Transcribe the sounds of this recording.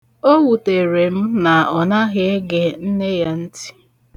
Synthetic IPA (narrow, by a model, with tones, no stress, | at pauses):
o˦wu˨te˨ɾe˨m̩˦na˨ɔ˨na˦ɣɪ˦e˦ɡe˨n̩˦ne˦ja˦n̩˦ti̥˦